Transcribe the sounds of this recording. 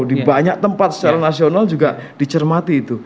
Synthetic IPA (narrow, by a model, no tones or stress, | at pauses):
dibaɲak̚t̪əmpat̪̚sə̥t͡ʃaɾanasionald͡ʒuɡad̥it͡ʃərmat̪iːt̪u